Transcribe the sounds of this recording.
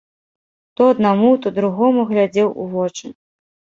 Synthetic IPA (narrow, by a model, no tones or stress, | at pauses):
t̪ɔɐd̪̚namut̪ɔd̪ɾuɣɔmuɣlʲad͡zʲɛwʔṵvɔt͡ʂɨ